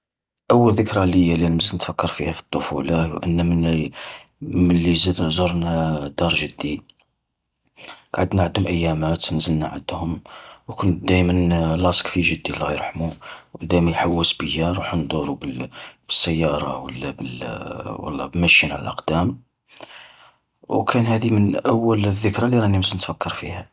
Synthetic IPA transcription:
ʔəwːəlðəkɾˤɑləjːælilməzənət̪fækːɑɾˤfihæfi̥t̪ˤːofulɑwʔə̰nːæ | mənlizzoɾˤnæd̪ɑɾˤʒəd̪ːi | ɡ̥ʕəd̪nʕəd̪hʊmʔəjːæmæt̪nzəlna̰ʕə̰d̪hʊmwkʊn̚d̪æjmənlɑskfiʒəd̪ːilɣiɾħmubwd̪æjmənħawːəsbəjːæɾˤuħnd̪ˤuɾubəb̥əsːəjːɑɾˤɑ̰wəlːæbəlwɑ̰lˤːɑ̰bəlmæʃinʕlə̰lʔɑqd̪æm | wkʰænhæd̪imənʔæwːələðːəkɾˤɑliɾˤɑnəmzənət̪fækʰːɑɾˤfihæ

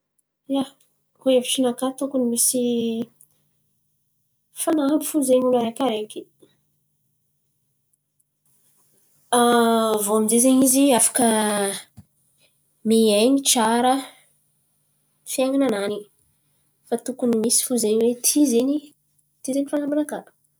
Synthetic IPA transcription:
ja | koevit͡ʃinakat̪ukunimisi | fanabifuzeɲulaɾekaɾekʲi | avoamizezeɲiziafḁkə | mieɲit͡ʃaɾə | fiaŋananani | fat̪ukunimisi̥fuzeɲwet̪ʰizeɲi | t̪izenifanambunakḁ

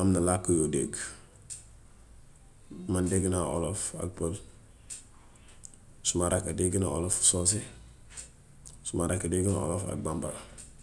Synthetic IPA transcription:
amnalakːojodeɡ | mandeɡnao̰lofa̰k̚pol | sumaɾakadeɡina̰o̰lofsos̬e | sumaɾakadeɡna̰o̰lofa̰ɡ̚bamba̰

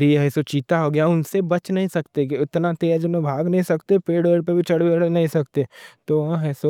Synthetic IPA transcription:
ɾiɦɛːsot͡ʃiːt̪aɦoɡɐjaʊnsebɐt͡ʃnɐɦĩsɐkt̪ekiɪt̪nat̪eːd͡ʒonẽbʱaːɡnɐɦĩsɐkt̪epeːɽʋeɽpebʱit͡ʃɐɽ̤ʋeɽnɐɦĩsɐkt̪et̪oʋɐɦãɦɛːso

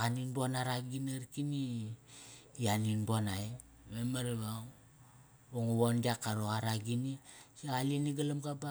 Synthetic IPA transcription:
aninbuanaɾaɡinaɾkini | aninbuanaj | memaɾβaŋ | oŋuβondiakːaɾoaɾaɡinisialiniɡalamɡaba

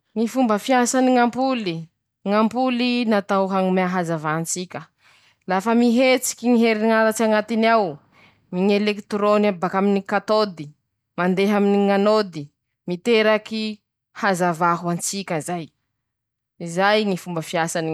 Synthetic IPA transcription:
ŋifumbəfiasaniŋampuli | ŋampulinat̪awɦaŋumeaɦazavaɦant͡sikʲə | lafəmiɦet͡si̥kʲiŋiɦeɾiŋaɾat͡ʃaŋat̪inaw | miŋelekt̪ɾonabakaminikat̪od̪i | mand̪eɦaminiŋanod̪i | mit̪eɾaki | hazavaɦuant͡sikʲəzaj | izajŋifumbəfiasani

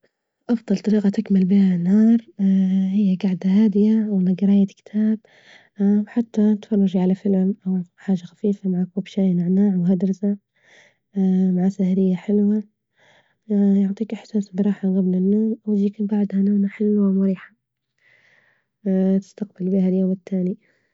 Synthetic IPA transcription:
ʔɑfd̪ˤɑlt̪ˤɑɾiːqɑt̪ɪkmɪlbiːhanhɑːɾˤhɪjːaɡaʕd̪ahaːd̪ɪjaʔwmaɡɑɾˤɑːjad̪kɪ̥t̪ʰaːb̚ | ħat̪ːat̪fɑrˤːɑʒiʕalafɪlmʔawaħaːʒːaxḁfiːfamaʕakuːbʃaːjnɪʕnaːʕwɦad̪ɾˤɪsa | maʕasahɾɪjːaħɪlwa | jʊʕt̪ˤiːkʔɪħsaːsbɪɾˤɑːħaɣablɪnːoːmʔawd͡ʒiːkbaʕd̪hanaːnaħɪlwawmʊɾiːħḁ | t̪ɪ̥st̪aqbɪlbihaljoːmɪt̪ːaːni

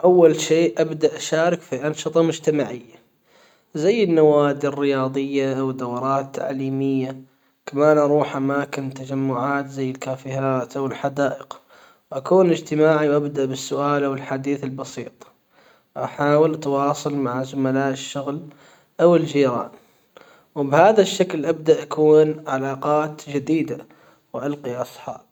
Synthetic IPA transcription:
ʔawːalʃeːʔʔabd̪aʔaʃaːɾɪkfiʔɑnʃɨt̪ˤɑmʊd͡ʒt̪amaʕɪjːa | zajːɪnːawaːd̪ɪrːɪjɑːðˤɨjːaʔawd̪awɾˤɑːt̪ːa̰ʕliːmɪjːa | kamaːnʔɑɾˤuːħʔamaːkɪnt̪ad͡ʒamːʊʕaːt̪zajːɪlkaːfiɦaːt̪ʔawɪlħad̪aːʔɪq | wʔakuːnɪd͡ʒt̪ɪmaːʕiwʔabd̪aʔbɪsːʊʔaːlawɪlħad̪iːθɪlbɑsiːt̪ˤ | ʔaħaːwɪlt̪wɑːsˤʊlmaʕazʊmalaːʔɪʃːʊɣl | ʔawɪld͡ʒiːɾɑ̰ːn | wbhaːðaʃːaklʔab̚d̪aʔakuːnʕalaːqɑːt̪d͡ʒɪd̪iːd̪a | wʔalqiʔɑsˤħɑ̰ːb̚

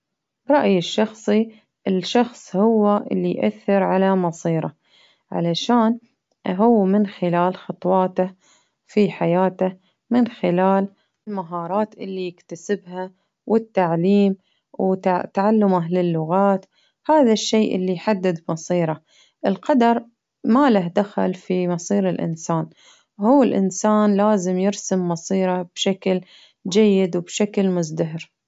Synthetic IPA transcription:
bɾˤɑʔjɪʃːɑxsˤi | ʔɪlʃɑxsˤhʊwːaʔɪ̰lːijʔa̰θːɪɾʕalamɑsˤiːɾˤɑ̰ | ʕa̰laʃaːn | ɦʊwːmɪnxɪlaːlxɑt̪ˤwɑːt̪a | fiħajaːt̪a | mɪnxɪlaːl | lmaɦɑːɾˤɑːt̪ʔɪlːijɪkt̪asɪbha | wʔɪt̪ːaʕliːm | wt̪aʕalːʊmalɪlːʊɣaːt̪ | haːðaʃːeːʔɪ̰lːijħad̪ːɪd̪bmɑsˤiːɾˤɑ | ʔɪlqɑd̪ɑɾˤ | malaɦd̪axa̰lfimɑsˤiːɾɪlʔɪ̰nsaːn | huːɪlʔɪ̰nsaːnlaːzɪmjɪɾsɪmːɑsˤiːɾɑb̥ʃakl | d͡ʒajːɪd̪wbʃaklmʊzd̪aɦɪɾ

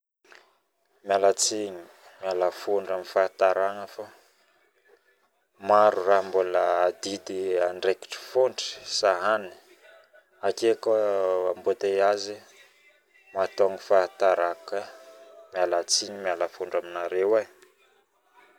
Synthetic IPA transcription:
malat͡siɲi | mjalafoɳɖ͡ʐamifat̪aɾaŋəfa | maɾuraɦmboləːd̪id̪iaɳɖ͡ʐeki̥ʈ͡ʂi̥foɳɖ͡ʐi̥saɦani̥ | akekaambot̪eazi | mat̪oŋifat̪aɾakəmjalat͡siɲimjalafuɳɖ͡ʐaminaɾewa

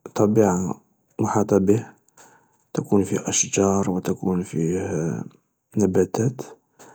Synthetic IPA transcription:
t̪ˤːɑbiʕa | mʊħit̪ˤɑbih | t̪akunfihʔæʃd͡ʒɑɾˤwət̪akunfih | næbæt̪æt̪

